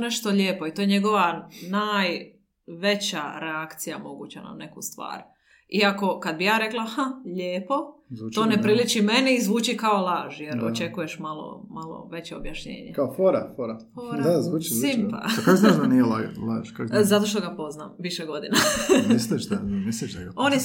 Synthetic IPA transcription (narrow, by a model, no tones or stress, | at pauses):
oneʃt̪oʎeːpo̞it̪ojɲe̞ɡo̞ʋanaːj | ʋe̞t͡ɕaɾe̞akt̪sijamo̞ɡut͡ɕana̰mne̞kust̪ʋa̰ːɾ | iako̞kad̪̚bijaːɾe̞klˠaxaʎeːpo̞zuoːnepɾilit͡ʃime̞niizʋuːt͡ɕikaolaːʒjeɾo̰t͡ʃe̞kuje̞ʃmalo̰malˠo̰ʋe̞t͡ɕeobjaʃɲḛːɲekaofoɾa̰foɾafoɾd̪azuːt͡ʃizsuimpa̰akanaʒd̪anijela̰laʒ̥kakzat̪o̞ʃ̬t̪oɡapo̞znamʋiʃeɡo̞d̪inamisliʃd̪amisliʃd̪a̰ɡao̞ːn